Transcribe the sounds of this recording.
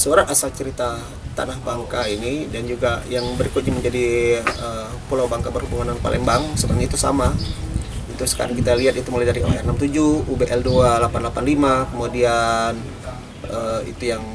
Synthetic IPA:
səoɾanasalt͡ʃəɾit̪a | t̪a̰nahbaŋkainidand͡ʒuɡajaŋbəɾikʊt̪̚ɲiməɲd͡ʒadiə | pulawbaŋkabərhubuŋananpa̰lʔɛ̰ŋbaŋsətərɲait̪usa̰ma | ut̪usə̥ka̰ɾaŋkit̪aliat̪it̪umolajdaɾiʔo̰ɛrnamt̪ud͡ʒuubeʔɛldualapanlapanlimakəmodian | əḭt̪ujaŋ

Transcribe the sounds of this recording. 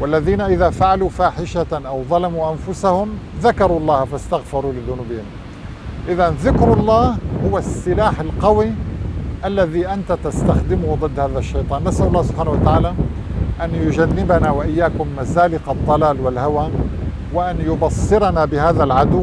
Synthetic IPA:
walːaðiːnaʔɪðafaʕalufaːħɪʃaʔawðˤɑlɑmuʔanfʊsahʊmðakɑɾulˤːɑːhfast̪aɣfɑɾˤulɪðʊnuːbɪːɪmn | ʔɪðanðɪkɾɑlˤːɑːhhʊwasːɪlaːħɪlqɑwiʔalːaðiʔant̪at̪ast̪axd̪ɪmʊhd̪ˤɨd̪ːhaːðaʃːɑjt̪ˤɑːnːasʔalˤːɑːhsʊb̥ħaːnawat̪aʕaːla | ʔanjʊd͡ʒanːɪbanawɪʔɪjːaːkʊmːazaːlɪqɑd̪ˤːɑlaːlwɪlhawaː | wɪʔanjʊbɑsˤːɨɾɑnabɪhaːðalʕad̪ʊw

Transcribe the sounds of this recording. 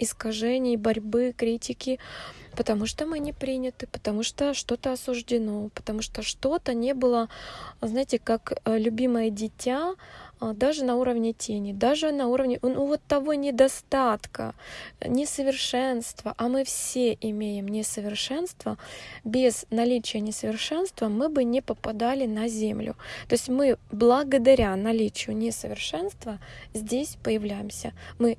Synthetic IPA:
ɪskɐʐɛnʲɪjbɐɾʲbɨkɾʲitʲɪkʲɪpət̪ɐmuʂt̪omɨnʲɪpɾʲinʲɪt̪ɨpə̥t̪ɐmuʂt̪oʂt̪o̞t̪əɐsʊʐdʲɪno̞pə̥t̪ɐmuʂt̪oʂt̪o̞t̪ənʲe̞bɨlˠəznajɪtʲɪkaklʲʉbʲiməjədʲɪtʲa | d̪aʐɨnɐuɾəvnʲɪtʲʰenʲɪd̪aʐɨnɐuɾəvnʲɪnuvot̪ːɐvo̞nʲɪd̪ɐst̪at̪kə̰nʲɪsəvʲɪrʂɛnst̪vəʔɐmɨfsʲeʔɪmʲejɪmnʲɪsəvʲɪrʂɛnst̪vəbʲɪznɐlʲit͡ɕɪjənʲɪsəvʲɪrʂɛnst̪vəmɨbɨnʲɪpəpɐd̪alʲɪnɐzʲemlʲʊ̰t̪o̞ɪsʲtʲmɨblˠəɡəd̪ɐɾʲanɐlʲit͡ɕɪjʊnʲɪsəvʲɪrʂɛnst̪vəzʲdʲesʲpəjɪvlʲæjɪmsʲəmɨ

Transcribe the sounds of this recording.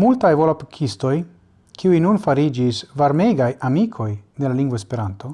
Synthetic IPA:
multajvolapikʰisto̞j | kʰiujnunfaɾid͡ʒisvaɾme̞jɡajamikʰo̞jde̞laliŋɡvoespe̞ɾanto̞

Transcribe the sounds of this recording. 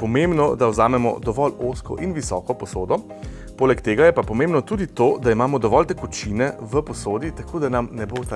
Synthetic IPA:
pɔmembnɔd̪awzaːmɛmɔ̰d̪ɔʋɔloːskɔ̰ʔinʋisɔːkɔpɔsoːd̪ɔ | poːlɛkt̪eːɡajɛpapɔmeːmbnɔt̪uːd̪it̪oːd̪aimaːmɔd̪ɔʋɔlt̪ɛkut͡ʃiːnɛʋəpɔsoːd̪it̪akʰoːd̪anamnɛbot̪a

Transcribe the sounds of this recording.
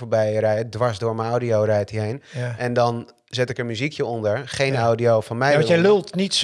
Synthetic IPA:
foɹbɛjrɛjədʋaɹsdʊːɹmənɔwdiowrɛjtiɦejnɛndɔn | zɪtɪkənmyzikjəɔndəɹχejnawdiowfɔnmɛjjɛlølˠtnits

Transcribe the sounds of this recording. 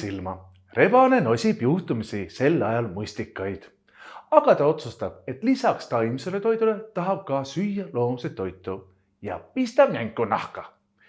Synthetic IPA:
ilmɑ | re̞bɑne̞no̞sʲib̥juht̪umisise̞lːɑjɑlmusʲt̪ikːˑɑjd̪̥ | ɑɡ̥ɑt̪ɑo̞t̪sust̪ɑb̥̚e̞t̪ːˑlisɑkst̪ɑjmise̞le̞t̪o̞jd̪ule̞t̪ɑɦɑb̥̚kɑsyjːɑlo̞ːmset̪ːo̞jt̪ːˑu | jɑ̰pist̪ɑb̥mæŋɡˑunɑ̰hkɑ

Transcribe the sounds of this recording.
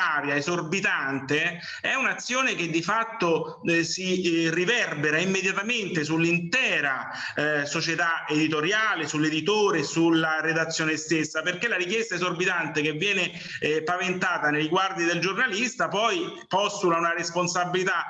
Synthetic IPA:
aːɾjaezorbit̪ant̪e | ɛunat̪sːjoːnek̟ed̪ːifat̪ːo | sirivɛrbeɾaimːed̪jat̪ament̪esulːint̪ɛːɾa | sot͡ʃet̪aed̪it̪oɾjaːlesulːed̪it̪oːɾesulːaɾed̪at̪sːjoːnest̪esːaperkelːaɾik̬jɛst̪aezorbit̪ant̪ekevːjɛːne | pavent̪aːt̪anejɡward̪id̪eld͡ʒornalist̪apɔj | pɔst̪ulaunaresponsabːilit̪a

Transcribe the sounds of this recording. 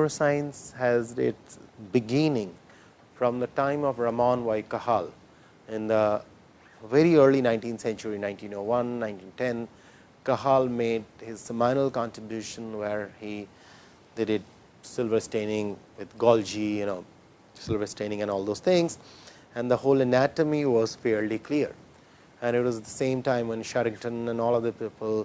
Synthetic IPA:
əsãɪə̃nshæzɪtsbɪɡɪ̃nɪ̃ŋ | fɾɔ̃md̪əʈãɪ̃mɔʋɾəmãnʋaɪkʌhal | ɪ̃nd̪ə | ʋɛɾiəːɾlinãɪ̃nʈĩnsɛ̃nt͡ʃəɾinãɪ̃nʈĩːnoːʋʌ̃nːãɪ̃ntĩntɛ̃n | kəɦalmeːɖhɪz̥əmãɪnəlkɑ̃nʈɾɪbjuːʃə̃nʋɛɾhi | d̪edɪɖ̚ | sɪlʋəɾsʈẽɪnɪ̃ŋʋɪd̪ɡɔld͡ʒijʊnoː | sɪlvəsʈẽñɪ̃ŋɛ̃nɔːlˠd̪oːz̥t̪ʰɪ̃ŋz | æ̃nd̪əhoːlənætəmiʋɔz̥fɛɾlikliəɾ | æ̃nɪʈwɔzɛt̚d̪əsẽːmʈãɪ̃mʋɛ̃nʃɛɾɪ̃ŋʈə̃nɛ̃nɔːlʌd̪əpiːpəl

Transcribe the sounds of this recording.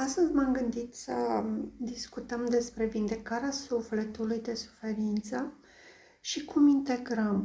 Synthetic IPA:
ast̪əzʲmamɡɨnd̪it̪səd̪iskut̪əmd̪e̞spɾe̞vind̪e̞kaɾeasufle̞t̪ulujd̪e̞su̥fe̞ɾint̪sə | ʃikumint̪e̞ɡɾəm

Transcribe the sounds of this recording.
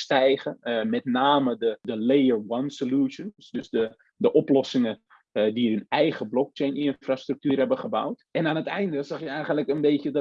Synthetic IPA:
stɛjχəmɛtnaːmədədəlejəɹwansoluʃəndsdøsdə | dəʔɔplɔsɪŋə | diɦənɛjχəblɔk̚t͡ʃejnɪnfrastryk̚tyːɾɦɛbəχəbʌ̰wtɛnaːnətɛjndəsɛxjəɛjχəntləkənbeːtəd

